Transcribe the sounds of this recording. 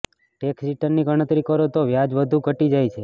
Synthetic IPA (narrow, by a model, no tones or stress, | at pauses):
ʈeksiʈəɾniɡəɽ̃ət̪ɾikəɾot̪oʋjad͡ʒʋəd̪ʱukəʈid͡ʒajt͡ʃʰe